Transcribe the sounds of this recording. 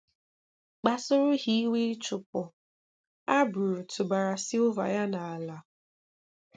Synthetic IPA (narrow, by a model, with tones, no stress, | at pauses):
k͡pa˨sʊ˦ɾʊ˦ɦi˦i˦we˦t͡ʃʊ˨pʊ˨ | a˦bʊ˨ɾʊ˨tʊ˨ba˨ɾa˨sɪ˦ʊ˦va̰˨ja˦na˨a˨la˨˦